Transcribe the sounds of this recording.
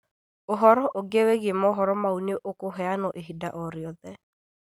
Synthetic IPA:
oɦɔɾɔʔoɡeweɣemɔɦɔɾɔmauneʔokoɦɛanɔʔeɦidaʔɔɾjɔðɛ

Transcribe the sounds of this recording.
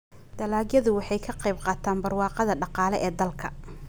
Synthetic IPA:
d̪̥ɐlaːɡjɐðʊwɑħɑjkʰɐqejb̚qɑːt̪ʰaːnbɐrwɑːqɑðɐɖɑqɑːlɛʔɛːd̪ɐlkʰɐ̰

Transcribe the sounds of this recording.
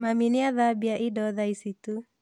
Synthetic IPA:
maminiaðabiaʔidɔðaisit̪u

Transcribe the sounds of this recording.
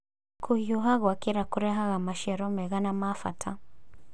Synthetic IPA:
kʰujuɦaɣwakiɾakuɾɛɦaɣamaʃɛɾɔmɛɣanamafa̰tʰa

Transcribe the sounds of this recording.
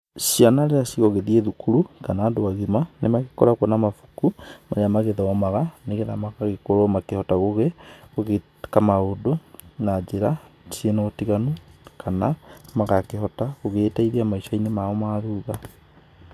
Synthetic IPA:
sianaɾeasiɣɔɣeðieðukuɾukanaːdoaɣimanemaɣekɔɾakonamafukumaɲamaɣeðɔmaɣaneɣeðamaɣaɣekoɾomakehɔtaɣoɣeɣoɣe | kamaodonad͡ʒeɾasienoːtiɣanokʰanamaɣakehɔtaɣoɣeːtaiðiamaiʃainemaɔmaðuːɣa

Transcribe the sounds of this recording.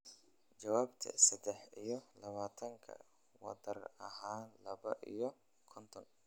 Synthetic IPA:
t͡ʃɐwaːbt̪ʰɐ̰sɐd̪ɛħijɔlɐβaːt̪ʰɐŋkʰɐ̰ | wɐ̰d̪ɐrɐɦaːnlɐβɐʔḭjɔ | kʰɔnt̪ʰɔn

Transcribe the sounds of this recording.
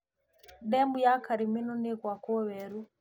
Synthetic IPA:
dɛmbujakʰaɾiminunikwakɔβɛɾu

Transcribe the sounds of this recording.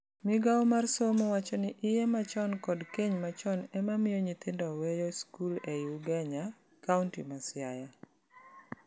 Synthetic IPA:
mɪɡaɔmarsomowat͡ʃɔnɪʔɪjemat͡ʃɔnkɔdkeɲmat͡ʃɔnɛmamɪjɔɲit̪ɪndɔwɛjɔskulejuɡɛɲa | kauntḭmasjaja

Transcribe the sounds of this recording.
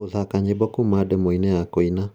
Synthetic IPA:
oðakaɲebɔkumadɛmoinɛjakɔina

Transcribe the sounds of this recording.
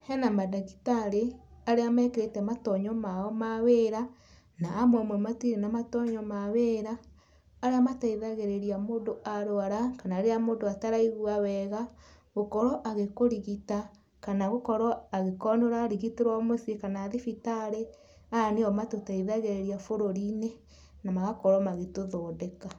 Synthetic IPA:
hɛnamadaɣitaɾeaɾeamɛkeɾetɛmatɔɲɔmaɔmaweɾa | naːmwamwɛmatiɾenamatɔɲɔmaweɾaː | ɾeamataiðaɣeɾeɾiamoːndoaɾoaɾakanaɾeamoːndoataɾaiɣwawɛɣa | ɣokɔɾɔʔaɣekoɾiɣita | kanaɣokɔɾɔaɣekɔnoɾaːɾiɣiteɾwamosekanaːðifitaɾe | aneɔmatotaiðaɣeɾeɾiafoɾoɾine | namaɣakɔɾɔmaɣetoðoːdeka

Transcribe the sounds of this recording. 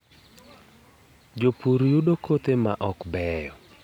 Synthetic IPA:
d͡ʒopuɾjudokʰot̪ema̰ʔɔkbɛjɔ

